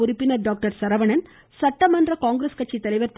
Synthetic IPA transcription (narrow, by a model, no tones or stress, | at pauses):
ʊɾɪpːɪnɐɾɖaːk̚ʈɐɾsɐɾɐʋɐɳɐn | sɐʈːɐmɐndrɐkaːŋɡɾeskɐʈ̚t͡ʃːit̪ːɐlɐɪʋɐɾt̪